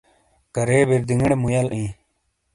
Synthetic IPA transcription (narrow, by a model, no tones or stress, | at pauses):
kɐɾeːbiɾd̪iŋɡɽemujɐlʔĩː